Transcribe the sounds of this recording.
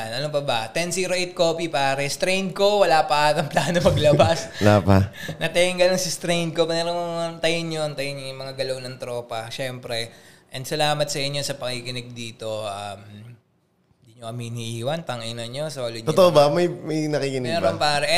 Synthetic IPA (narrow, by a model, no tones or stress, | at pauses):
anɐlompɐbɐt̪ɛnsiɾoʔejt̪̚ko̞ːpipaːɾɛst̪ɾejnd̪̚ko̞wɐlaːpɐʔaːt̪ɐŋplaːnomɐɡlɐbaslapanɐt̪ɛɪŋɡɐnɐnsɪst̪ɾejnd̪̚ko̞pɐnɛɾot̪ɐjɪnjont̪ɐjɪnɲojʊŋmɐŋaɡɐlɐwnɐŋt̪ɾo̞ːpɐʃɛmpɾɛʔɛnd̪sɐlaːmɐt̪̚sɐʔɪɲːo̞sɐpɐŋikɪnɪɡ̚d̪iːt̪o̞ʔɐm | ɪnɪd̪iɲokɐminiʔiːwɐnt̪ɐŋʔɪnɐɲːo̞soːloɲt̪ot̪oʔobɐmɐjmɐjnɐkikɪnnɛɾompaːɾɛ